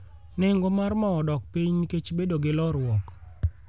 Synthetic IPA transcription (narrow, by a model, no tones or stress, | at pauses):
nɪŋɡomarmɔɔdɔk̚piɲniket͡ʃbedoɡɪlɔɾwɔk